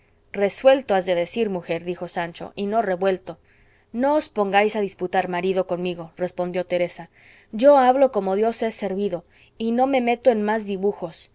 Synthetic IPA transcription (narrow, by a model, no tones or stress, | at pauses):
re̞swe̞lt̪oazðe̞ðe̞siɾmuxe̞ɾðixo̞sant͡ʃo̞̰ʔino̞re̞βwe̞lt̪o̞ | no̞ospo̞ŋɡajsaðisput̪aɾmaɾiðo̞ko̞nmiɣo̞re̞spo̞nd̪jo̞t̪e̞ɾe̞sa | ɟ͡ʝo̞aβlo̞ko̞mo̞ðjo̞sese̞ɾβiðo̞ | ino̞me̞me̞t̪o̞enmazðiβuxo̞s